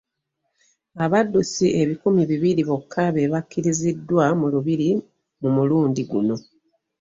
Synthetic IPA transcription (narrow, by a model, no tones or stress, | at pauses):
aβadːusiʔe̞βikumiβiβiɾiβo̞kʰːaβe̞βakːiɾizidːwamuluβiɾi | mumuluːndiɡuno̞